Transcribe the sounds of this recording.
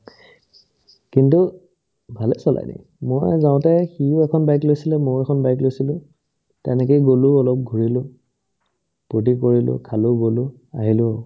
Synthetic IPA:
kintu | bʱalɛsɔla̰jnḭ | mojzaw̃tɛxijʊɛkʰɔnbajklojsilɛmojɛkʰɔnbajk̬lojsilʊ̃ | tɛnɛk̬ejɡolʊɔlɔp̚ɡʱuɹilʊ | pɹut̬ikoɹilʊ̰kʰalʊɡolʊ | aɦilʊ

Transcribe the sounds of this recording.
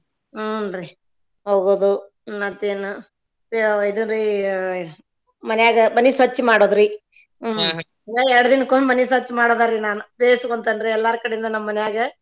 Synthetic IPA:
nɾi | ɦoːɡoːd̪u | ɐt̪ːenu | id̪unɾi | mɐnɛjaːɡɐmɐnisʋɐt͡ʃːimaːɽoːd̪ɾi | aːɛɾɐɽɐd̪inːɐkomɐnisʋɐt͡ʃːmaːɽoːd̪aɾinaːnub̪eːskoɳt̪ɐnɾiɛlːaɾukɐɽeind̪ɐnɐmːɐnɛjaːɡɐ

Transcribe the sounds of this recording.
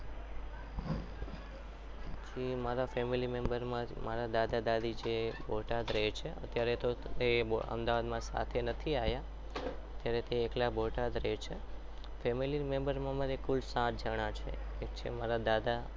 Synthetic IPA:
d͡ʒimaɾafɛmilimembəɾmãmaɾad̪ad̪ad̪ad̪ʱid͡ʒebʱoʈad̪ɾəɦet͡ʃʰeə̰t̪jaɾet̪oeə̰md̪aʋad̪mãsa̰t̪ʰenət̪ʰiaja | ət̪jaɾet̪eːklabʱoʈad̪ɾəɦet͡ʃʰe | fɛmilimẽmbəɾmãmaɾekulsãt̪̚d͡ʒəɽ̃ãt͡ʃʰḛ | et͡ʃʰḛmaɾad̪ad̪a

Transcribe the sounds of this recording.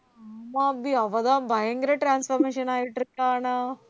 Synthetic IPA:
mabiɐʋɐd̪abʱaɦeŋɡɾeʈɾaːnsfɐɾmeːʃɐnaːiʈɾikaːna

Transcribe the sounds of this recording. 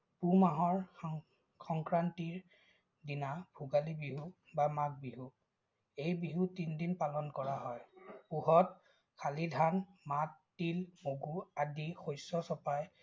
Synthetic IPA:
pumaɦɔɹ | kʰɔŋkɹantiɹ | dinabʱuɡalibiɦu | bamak̚biɦu | ejbiɦutindinpalɔnkɔɹaɦɔjpuɦɔt̚ | kʰalidʱanmatːilmoɡuadixojsɔsɔpaj

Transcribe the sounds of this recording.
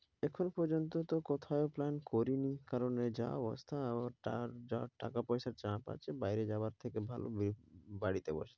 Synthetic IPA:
ɛkʰonopɔɾd͡ʑont̪ot̪okot̪ʰaeoplankoɾinikaɾoned͡ʑa̰ɔ̰bo̰st̪ʰaabaɾaɾaʈa̰kapɔjʃaɾt͡ɕapa̰t͡ɕʰebajɾed͡ʑaaɾt̪ʰekebʱalo̰bibaɽit̪ebo̰ʃe̥

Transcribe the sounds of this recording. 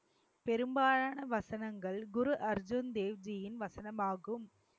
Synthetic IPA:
pɛɾɯmbaːɻaːnɐʋɐsɐnɐŋɡɐɭɡʊɾuʔɐɾd͡ʒʊnd̪eːʋd͡ʒɪjɪnʋɐsɐnɐmaːɣɯm

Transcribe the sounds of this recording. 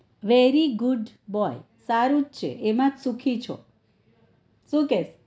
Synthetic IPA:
ʋeɾiɡuɖ | bɔj | saɾũd͡ʒt͡ʃʰḛʔemãd͡ʒsũkʰit͡ʃʰo̰ | sũkes

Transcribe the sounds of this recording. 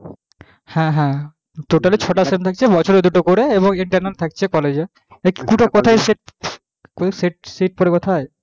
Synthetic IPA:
hɛ̃ɦɛ̃ | ʈoʈalit͡ɕʰoʈasemt̪ʰak̚t͡ɕʰebɔt͡ɕʰoɾed̪uʈokoɾeeβoŋiɳʈaɾnalt̪ʰak̚t͡ɕʰekɔled͡ʑe | ekikuʈokɔt̪ʰajseʈ̚ | kosiʈ̚siʈ̚poɾekot̪ʰae

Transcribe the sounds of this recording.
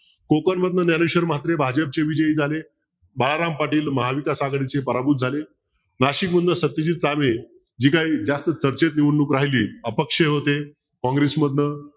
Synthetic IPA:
kokənməd̪nənjanuɕəɾmat̪ɾebʱad͡ʑəp̚t͡ɕeʋid͡ʑəiːd͡zʱale | baɭaɾampaʈiːlməɦaʋikasaɡɽit͡sepəɾabut̪̚d͡zʱale | naɕikməd̪nəsət̪ːid͡ʑiːt̪̚t͡same | d͡ʑiːkaiːd͡zast̪ət͡səɾt͡ɕet̪̚niʋunːuːkɾaɦiliːəpəkʂeɦot̪e | kɔ̃ŋɡɾesməd̪nə

